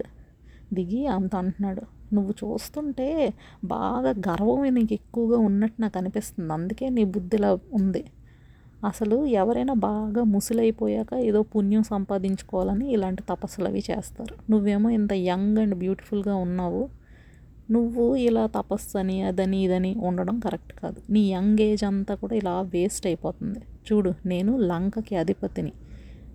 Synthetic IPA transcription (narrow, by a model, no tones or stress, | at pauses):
d̪iɡiɐnt̪ɐɐɳʈunːaːɽunuʋːut͡ʃṵːst̪uɳʈe̞ː | ba̰ːɡaːɡɐɾɐʋɐminiːke̞kːuʋɐɡaːunːɐʈːinaːkɐnipist̪und̪iɐnd̪uke̞ːniːbud̪ːilaːund̪i | ɐsɐluɛʋɐɾɐjnaːbaːɡaːmusulɐjipoːjaːkɐeːd̪o̞ːpunjɐmsɐmpaːd̪iɲt͡ʃu̥kɔːʋaːlɐniːlaːɳʈit̪ɐpɐsulɐ̰ʋḭːt͡ʃḛːst̪aːɾunuʋːe̞ːmo̞ːint̪ɐjɐŋɡɐɳɖbjuːʈi̥fʰulɡaːunːaːʋu | nuʋːuilaːt̪ɐpɐsɐniɐd̪ɐniːd̪ɐniuɳɖɐɽɐmkɐɾek̚ʈka̰ːd̪uniːjɐŋɡe̞ːd͡ʒɐnt̪aːkuːɽaːilaːʋeːsʈɐjipɔːt̪und̪it͡ʃuːɽune̞ːnulɐŋkɐkiɐd̪ʱipɐt̪ini